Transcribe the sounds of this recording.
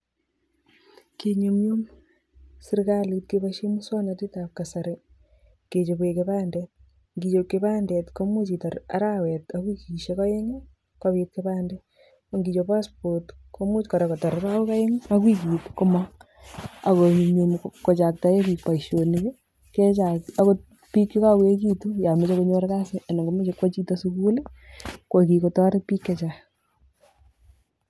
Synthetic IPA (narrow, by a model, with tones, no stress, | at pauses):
keɲo˨mjo˦m | sɪ˦ɾka˦li˨tke˦paʃe˦mu˦swa˦na˨te˦ta˨ka˨sa˨ɾe | ke˨t͡ʃo˨be˨keβaː˦ndɛt̚ | ŋɡi˨t͡ʃokebaː˦ndɛ˨tko˦mo˦t͡ʃi˨tɔɾa̰ɾawɛtakwi˦kiʃekaje˦ŋe˦ | kaβit̚keβaː˦ndɛ˨ | ŋɡi˨t͡ʃopa˦spotko˦mu˦t͡ʃkɔ˨ɾekɔ˨tɔ˨ɾɾa˦u˦ka˦je˦ŋ˦a˦kwi˦k̬i˨tkʊ˦ma | a̰˨ko˨ɲe˨mko˨t͡ʃa˨k̚ta˨˦je˦ki˨pa˨iʃo˨ni˦ke˦ | ke˦t͡ʃa˨a˦ko˦ | pi˦kːi˦ka˦kwe˦k̬i˦tu˦ja˨me˦t͡ʃe˦ko˦ɲo˦ɾka˦sɪʔa˨na˨ŋɡo˦me˦t͡ʃe˨kwo˦t͡ʃi˦to˦suku˦le˦ko˨ki˨ko˨tɔ˦ɾe˦pi˦kːet͡ʃa